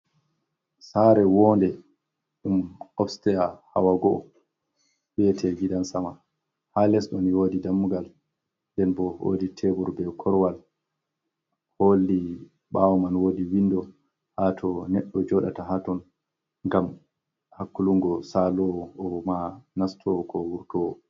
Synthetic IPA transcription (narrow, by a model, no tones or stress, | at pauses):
saɾɛwɔːndɛ | ɗumɔfstɛjaha̰waɡɔʔɔ | bɛtʰɛɡiɗansama | halɛsɗɔniwoːdidamːuɡal | ndɛnbɔho̰ditʰebuɾbɛkʰɔɾwal | holːi | ɓawɔmanwoːdiwindɔ | hatʰɔnɛɗːɔd͡ʒɔɗa̰taɦatɔn | ŋɡam | hakːuluŋɡɔsalɔɔmanastʰɔkʰɔwuɾtɔ